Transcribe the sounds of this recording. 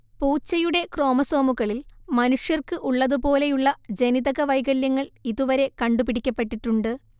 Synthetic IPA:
puːt͡ɕːɐjuɽe̞kro̞ːmɐso̞ːmuɣɐɭilmɐnuʂjɐrkɨʔuɭːɐðupo̞ːle̞juɭːɐd͡ʑe̞niðɐɣɐʋɐjɡɐljɐŋːɐɭiðuʋɐɾe̞kɐɳɖupiɽikʲːɐpːe̞ʈːiʈːuɳɖɨ

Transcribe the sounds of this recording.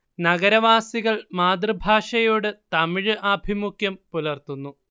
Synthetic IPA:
nɐɣɐɾɐʋaːsiɣɐɭmaːd̪rɨbʱaːʂɐjoːɽɨt̪ɐmiɻɨʔaːbʱimukʰjɐmpulɐrt̪unːu

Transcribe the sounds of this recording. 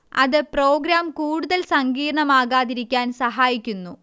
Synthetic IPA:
ɐ̰ðɨpro̞ːɡɾaːmkuːɽuðɐlsɐŋɡiːɾɳɐmaːɣaːðiɾikʲːaːnsɐɦaːjikʲːunːu

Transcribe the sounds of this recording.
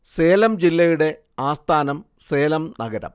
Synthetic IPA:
seːlɐmd͡ʑilːɐjuɽe̞ | aːst̪ʰaːnɐm | seːlɐmnɐɡɐɾɐ̰m

